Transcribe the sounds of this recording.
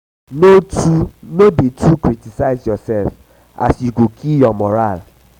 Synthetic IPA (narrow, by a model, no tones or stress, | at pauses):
notunobitʰukɹitisaɪzjɔsɛlf | a̰sjuɡokʰijɔmɔɹal